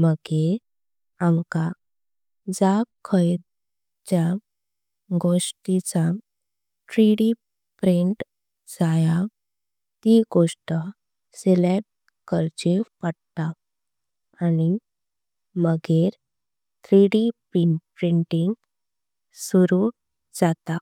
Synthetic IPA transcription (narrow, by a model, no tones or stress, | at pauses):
məɡeɾ | amka | d͡zakʰəjɾ | t͡ɕja | ɡoʂʈit͡sa | ʈɾiɽi | pɾiɳʈ | d͡zaja | t̪iɡoʂʈə | selep̚ʈ | kəɾt͡ɕepəɽt̪a | ani | məɡeɾ | t̪ɾiɽipɾiɳʈpɾiɳʈiŋɡ | suɾu | d͡zat̪a